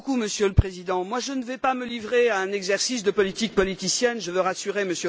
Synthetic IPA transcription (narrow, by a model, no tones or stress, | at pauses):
kuməsjøləpχezid̪ɑ̃mwaʒənəvɛpaməlivʁeaɛ̃nɛɡzɛʁsisd̪əpɔlit̪ik̚pɔliisjɛnʒəvøʁasyʁeməsjø